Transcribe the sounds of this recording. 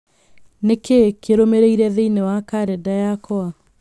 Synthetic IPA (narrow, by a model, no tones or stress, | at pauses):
nekʰekʰeɾomeɾeiɾɛðeinewakaɾɛdajakɔa